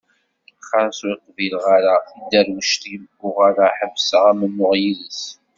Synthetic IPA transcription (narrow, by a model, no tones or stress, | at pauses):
χaɾswiqvilʁaɾaθid̪æɾwəʃt̪ijəɡʊʁaɾaħəvsəʁæmənːʊʁjiðəs